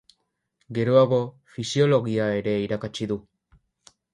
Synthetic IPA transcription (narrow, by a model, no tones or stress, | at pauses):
ɡe̞ɾoaɣo̞ | fisio̞lo̞ɣiae̞ɾe̞iɾakat͡ʃiðu